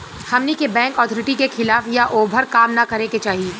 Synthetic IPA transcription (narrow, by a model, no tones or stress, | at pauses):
hɐmnikebɛ̃ːŋkɔːt̪ʰɔːɾɪʈikexʰɪlaːfjaʔoːbʱəɾkaːmnakɐɾẽket͡ʃaːɦieː